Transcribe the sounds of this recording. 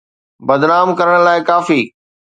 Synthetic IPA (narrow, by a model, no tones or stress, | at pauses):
bɐd̪naːmkɐɾəɽ̃laːɪkaːfiː